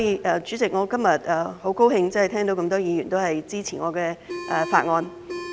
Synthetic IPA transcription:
jiː˨ʔɛː˧˩t͡ʃy˨˥t͡sɪ˨k̚ŋɔː˨˧kɐ˥mjɐ˨t̚ɛː˨˩ho˨˥wko˥whɪ˧ŋt͡sɐ˥nhjt̪ʰɛː˥ŋt̪o˧˥kɐ˧mt̪ɔː˥jiː˨˧jyː˨˩nt̪o˥whɐ˨jt͡siː˥t͡sʰiː˨˩ŋɔː˨˧kɛː˧ʔɛ˨˧fa̰ː˧t̚ŋɔː˧n

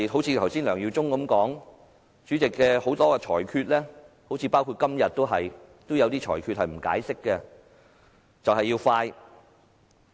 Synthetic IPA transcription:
ɦo˨˥wt͡sʰiː˨˧t̪ʰwsiː˥nlœː˨˩ŋji˧wt͡sʊ˥ŋkɐ˨˦mkɔː˨˥ŋ | t͡ʃyː˨˥t͡sɪ˨kːɛː˧ho˨˥wt̪ɔː˥kɛ˧t͡ʃʰɔː˨˩jkʰyː˧t̚lɛː˥ | ho˨˥wt͡sʰiː˨˧paː˥wkʰuː˧t̚kɐ˥mjɐ˨t̚t̪ːo˥wɦɐ˨jt̪o˥wjɐ˨˧wt̪iː˥t͡ʃʰɔ̰ː˨˩jkʰy˧t̚hɐ˨jm̩˨˩ka̰ː˨˥jsɪ˥kːɛ˧ | t͡sɐ˨wɦɐ˨jːiː˧wfaː˧j

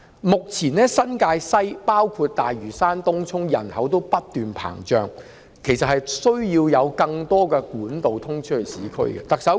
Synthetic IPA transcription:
mʊ˨k̚t͡sʰiː˨˩nɛː˦˥sɐ˥nkaː˧jsɐ˥jpaː˥wkʰuː˧t̚t̪aː˨jɥyː˨˩saː˥nt̪ʊ˥ŋt͡sʰʊ˥ŋjɐ˨˩nhɐ˨˥wt̪̬o˥wpɐ˥t̚t̪yː˨npʰa̰ː˨˩ŋt͡ʃœː˨ŋ | kʰe˨˩jsɐ˨t̚hɐ˨jsɵ˥ɥjiː˧wjɐ˨˧wkɐ˧ŋt̪ɔː˥kɛː˧kuː˨˥nt̪o˨wt̪ʰʊ˥ŋt͡ʃʰhɵ˨˩jsiː˨˥kʰɵ̰˥ɥkɛ̰˧t̪ɐ˨k̚sɐ˨˥w

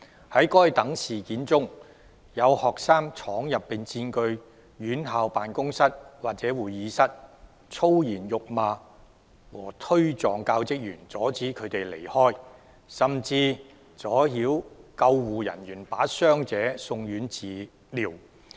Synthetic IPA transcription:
hɐ˨˥jkɔː˥jt̪ɐ˨˥ŋsiː˨kiː˨˥nt͡sʊ˥ŋ | jɐ˨˧whɔː˨k̚saː˥ŋt͡sʰɔː˨˥ŋjɐ˨pːiː˨ŋt͡siː˧nkɵ˧ɥ | jyː˨˥nɦaː˨˧wpaː˨nkʊ˥ŋsɐ˥t̚waː˨k̚t͡sɛː˨˥wuː˨˩jːiː˨˧sɐ˥t̚ | t͡sʰo˥wjiː˨˩njʊ˨k̚maː˨˧ | wɔː˨˩t̪ʰɵ˥ɥt͡sɔː˨˩ŋkaː˧wt͡sɪ˥k̚jyː˨˩nt͡sɔː˨˥t͡siː˨˥kʰɵ˨˧ɥt̪e˨jle˨˩jhɔː˥j | sɐ˨˩mt͡siː˧ | t͡sɔː˨˥hiː˨˥wkɐ˧wːuː˨jɐ̰˨˩nɥyː˨˩npaː˨˥sœː˥ŋt͡sɛː˨˥sʊ˧ŋjyː˨˥nt͡siː˨ | liː˨˩w

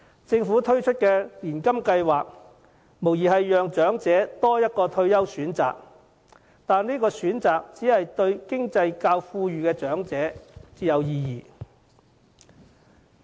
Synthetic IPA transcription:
t͡sɪ˧ŋfu˨˥t̪ʰɵ˥ɥt͡ʃʰɵ˥t̚kɛː˧liː˨˩nkɐ˥mkɐ˧jwaː˨k̚ | mo˨˩wjiː˨˩ɦɐ˨jːœː˨ŋt͡ʃœː˨˥ŋt͡sɛː˨˥t̪ɔː˥jɐ˥t̚kɔː˧t̪ʰɵ˧ɥjɐ˥wsyː˨˥nt͡sa̰ː˨k̚ | t̪aː˨niː˥kɔː˧syː˨˥nt͡saː˨k̚t͡siː˨˥hɐ˨jt̪ɵ˧ɥkɪ˥ŋt͡sɐ˧jkaː˧wfuː˧jyː˨kɛː˧t͡ʃœː˨˥ŋt͡sɛː˨˥t͡siː˨˥jɐ˨˧wjiː˧jiː˨

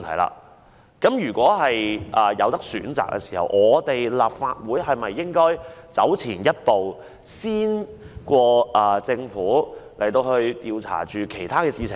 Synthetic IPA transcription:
nt̪ʰɐ˨˩la̰ː˧ | kɐ˨˥mjyː˨˩kʷɔː˨˥ɦɐ˨jʔɐː˨˩jɐ˨˧wt̪ɐ˥k̚sy̰ː˨˥nt͡sa̰ː˨˩k̚ːɛ̰˧si̥ː˨˩hɐ̰˨wʔɔː˨˧t̪e˨jlaː˨p̚faː˧t̚wuː˨˥jhɐ˨jmɐ˨jːɪ˥ŋkɔː˥jt͡sɐ˨˥wt͡sʰiː˨˩njɐ˥t̚po˨w | siː˥n | kʷɔː˧ʔɐː˨˩t͡sɪ˧ŋfuː˨˥le˨˩jt̪o˧whɵ˧ɥt̪iː˧wt͡sʰa̰ː˨˩t͡ʃyː˨kʰe˨˩jt̪ʰaː˥kɛː˧siː˧t͡sʰɪ˨ŋ

